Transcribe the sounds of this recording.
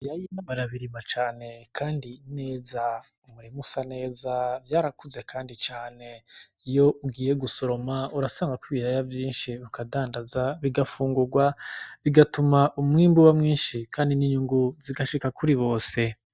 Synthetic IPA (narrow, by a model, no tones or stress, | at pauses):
jajinaβaɾaβiɾimat͡ʃaːne̞kʰaːndine̞ːza | umuɾemusane̞ːzavjaːɾakuze̞kʰaːndit͡ʃaːne̞ | ijo̞ʔuɡiːje̞ɡuso̞ɾo̞mauɾasaːŋɡakuβiɾajavjiːnʃiβukadaːndazaβiɡafuːŋɡuɾɡwaβiɡatumaʔumŋiːmbuβamŋiːnʃikʰaːndiniɲuŋɡuziɡaʃikakʰuɾiβo̞ːse̞